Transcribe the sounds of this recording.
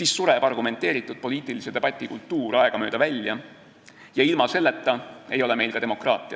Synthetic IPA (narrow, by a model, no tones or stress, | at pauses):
siːssuɾeb̥ɑrɡume̞nt̪ːˑe̞ːɾit̪ːˑud̪̥̚po̞liːt̪ˑilise̞d̪̥e̞b̥ɑt̪ʲːˑikult̪ːuːɾɑeɡ̥ɑmø̞ːd̪ɑvælʲjɑ | jɑilmɑse̞lːe̞t̪ˑːɑe̞jo̞lɛme̞jlkɑd̪emo̞krɑːt̪ˑiɑ̰